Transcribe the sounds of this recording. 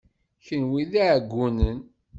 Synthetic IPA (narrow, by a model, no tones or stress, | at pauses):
çənwiðaʕɡʷːunən